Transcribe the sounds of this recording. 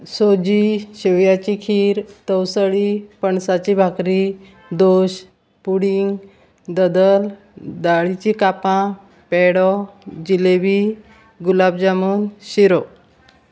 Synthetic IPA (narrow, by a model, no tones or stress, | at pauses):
sod͡ʑiɕeʋjat͡ɕikʰiːɾt̪əwsəɭipəɳsat͡ɕibʱakɾi | d̪oɕ | puɽiŋɡ | d̪əd̪əl | d̪aɭit͡ɕikapã | pɛɽɔd͡ʑileʋi | ɡulabd͡ʑamuːnɕiɾɔ